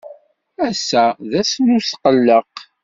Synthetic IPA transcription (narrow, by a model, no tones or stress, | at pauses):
æsːæðæsnʊsqəlːəq